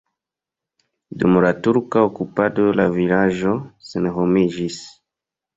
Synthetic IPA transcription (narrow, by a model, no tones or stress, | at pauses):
dumolatuɾkaokupadolavilaʒoseneɦomiʒis